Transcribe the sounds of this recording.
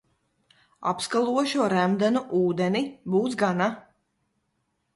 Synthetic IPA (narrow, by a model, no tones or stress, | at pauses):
a̰pskalˠuɔʃuɔɾæmd̪anuʔuːd̪ɛnibuːt̪sɡana